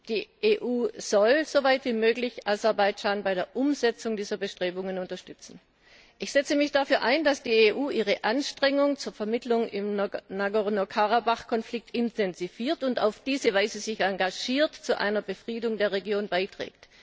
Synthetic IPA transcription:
d̥iːʔeːʔuːz̥ɔlz̥ovaɪtv̥iːmøːɡlɪçʔazɛɐbaɪd͡ʒaːnbaɪɾeːɐʔʊmzɛt͡sʊŋdiːzɐbəʃtʁ̥eːbʊŋənʊntɐʃtʏt͡sn̩ | ʔɪçz̥ɛt͡səmɪçd̥afyːɐʔaɪnd̥asd̥iːeːʔuːʔiːʁ̞əʔanʃtʁ̥ɛŋʊŋt͡suːɐfɛɐmɪtlʊŋɪ̰mnaɡoʁnokʰaʁabaχkʰɔnflɪk̚tɪntʰɛnziviːɐtʊntaʊfd̥iːzəvaɪzəzɪçaŋɡaʒiːɐtt͡suʔa̰ɪnɐbəfʁ̥iːdʊŋdeːɐʁeɡjoːnbaɪtʁ̥ɛ̰ːkt

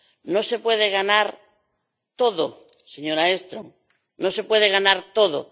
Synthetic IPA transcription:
nose̞pwe̞ðeɣ̞anaɾ | t̪oðo | seɲoɾaest̪ɾoŋ | nose̞pwe̞ðeɣanaɾt̪oðo̰

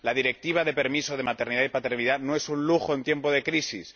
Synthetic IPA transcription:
laðiɾe̞k̚t̪iβ̞aðe̞pe̞ɾmiso̞ð̞e̞mat̪e̞ɾniðaipat̪e̞ɾniðanoesunluxo̞ent̪je̞mpo̞ð̞e̞kɾisis

